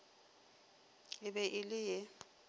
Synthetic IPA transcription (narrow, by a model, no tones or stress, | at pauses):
ɪbɛʔɪlɪjɛ